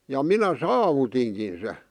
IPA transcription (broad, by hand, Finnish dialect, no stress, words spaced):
jɑ minæ sɑːʋutiŋkin se